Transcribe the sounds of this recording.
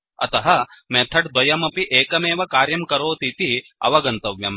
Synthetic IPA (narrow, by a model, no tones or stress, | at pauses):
ɐ̰t̪ɐɦɐmeːt̪ʰɐʈd̪wɐjɐmɐpiʔeːkɐmeːʋɐkaːɾjɐmkɐɾoːt̪it̪iɐ̰ʋɐɡɐnt̪ɐʋjɐm